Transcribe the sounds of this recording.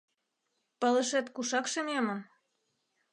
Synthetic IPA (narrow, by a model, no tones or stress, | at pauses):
pə̆lə̆ʃet̪kuʃɑkʃenemə̆m